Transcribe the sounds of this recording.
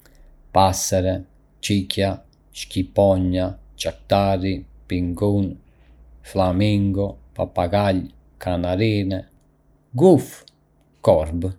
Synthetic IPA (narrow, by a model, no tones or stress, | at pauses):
pasɛɾɛ | t͡ʃicja | ʃcipɔɲːat͡ʃakt̪aɾipiŋɡun | flamiŋɡɔpapaɡaʎ | kʰanaɾiːnɛ | ɡuf | kɔɾb